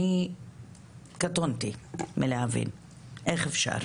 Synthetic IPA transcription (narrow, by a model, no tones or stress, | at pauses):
i | kat̪ont̪imileavḭn | ʔe̞χefʃa̰ʁ